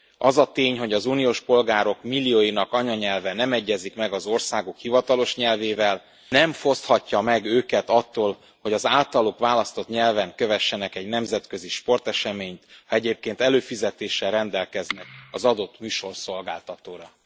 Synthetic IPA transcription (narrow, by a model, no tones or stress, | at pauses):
ʔɒzɒt̪eːɲɦo̞ɟɒzuːnijoːʃpo̞lɡaːɾo̞kmilːioːjinɒkɒɲɒɲɛlvɛnɛmɛɟːɛzikmɛɡɒzo̞rsaːɡokhivɒt̪ɒlo̞ʃɲɛlveːvɛl | nɛmfo̞st̪hɒcːɒmɛɡøːkɛt̪ɒt̪ːoːl | ho̞ɟɒzaːlt̪ɒlokʋaːlɒst̪o̞t̪ɲɛlvɛŋkøvɛʃːɛnɛkɛɟnɛmzɛt̪kø̞ziʃpo̞rt̪ɛʃɛmeːɲt̪hɒɛɟeːp̚keːnt̪ɛløːfizɛt̪eːʃːɛlrɛnd̪ɛlkɛznɛkɒzɒd̪o̞t̪myːʃo̞rso̞lɡaːlt̪ɒt̪oːɾɒ